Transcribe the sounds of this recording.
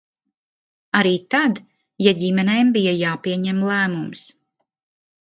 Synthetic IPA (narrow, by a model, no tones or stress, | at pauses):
aɾiːt̪ad̪ | jaɟimɛnɛjmbijajaːpiɛɲɛmlˠæːmums